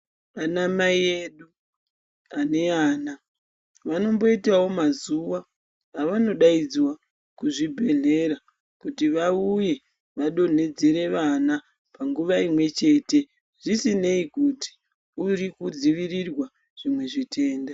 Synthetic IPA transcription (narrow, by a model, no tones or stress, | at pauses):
anamaieɗu | ane̞aːna | ʋano̞mbo̞itawo̞mazuwaː | ʋano̞ɗaid͡zwa | kuʐibʱe̞ɮe̞ɾa | kutiʋauje̞ | ʋaɗo̞ne̞d͡zeɾe̞ʋana | paŋɡuʋaimwe̞t͡ʃe̞te̞ | ʐ̥isine̞ikuti̥ | urikud͡ziʋirirwa | ʐ̥imwe̞ʐitʰe̞ːnda